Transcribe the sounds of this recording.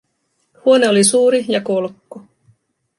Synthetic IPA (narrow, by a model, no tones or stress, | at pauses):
huo̞ne̞olisuːɾijɑko̞lkːo